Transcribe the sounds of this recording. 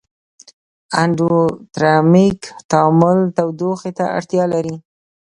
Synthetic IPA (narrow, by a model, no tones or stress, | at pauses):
aɳɖot̪ɾɑmikt̪amʊlt̪awd̪oxet̪a̰ʔa̰ɽt̪jɑlaɾi